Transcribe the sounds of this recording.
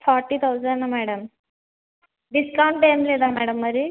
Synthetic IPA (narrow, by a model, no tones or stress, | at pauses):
fʰɔɾʈːiːt̪ʰawzənnamæɽəm | ɖiskaw̃ɳʈːɖemled̪amæɽəmːəɾi